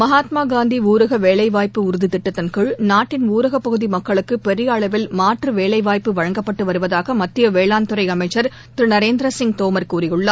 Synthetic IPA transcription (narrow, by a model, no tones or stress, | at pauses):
mɐɦaːt̪maːɡaːnd̪iuːɾɐɣɐʋeːɭɐɪʋaːjpːɯʊɾɯðɪt̪ɪʈːɐt̪ːɐnkɯɻnaːʈːɪnuːɾɐɣɐpːɐɣɯðimɐkːɐɭɯkːɯpɛɾɪjaːɭɐʋɪlmaːʈrɯʋeːɭɐɪʋaːjpːɯʋɐɻɐŋɡɐpːɐʈːɯʋɐɾɯʋɐðaːɣɐmɐt̪ːɪjɐʋeːɭaːnt̪ɯɾɐɪɐmɐɪt͡ʃːɐɾ | t̪ɪɾɯnɐɾeːnd̪ɾɐsɪŋɡ̚t̪oːmɐɾkuːɾɪjɯɭːɐ